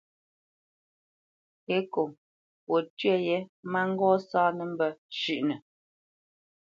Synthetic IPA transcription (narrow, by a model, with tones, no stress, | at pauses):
e˦ko˨ | pwo˨tɥɛ˦˨jɛ˦ma˦ŋ̩˦ɡɔː˦saː˦nə˦˨m̩˦bə˦ʃʉ˦˨ʔnə˨